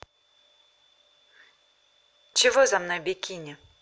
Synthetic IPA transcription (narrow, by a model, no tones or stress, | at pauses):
t͡ʃiʋʊzɐmnɔjbʲikʲinʲi